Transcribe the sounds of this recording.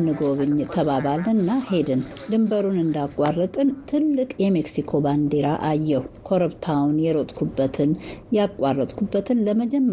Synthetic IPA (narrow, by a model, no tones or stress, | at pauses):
nɨɡo̞βɨɲt̪ʰəβaβalɨnːahe̞d̪ɨn | d̪ɨmbəɾunɨnd̪akʼwarːət̪ʼɨnt̪ʰɨlːɨkʼjɛmeksikʰo̞band̪e̞ɾaʔajːɛwkʰo̞ɾɨβt̪ʰawnjɛɾo̞t̪ʼkʰubːət̪ʰɨnjakʼwarːət̪ʼkʰubːət̪ʰɨnləməd͡ʒɛmː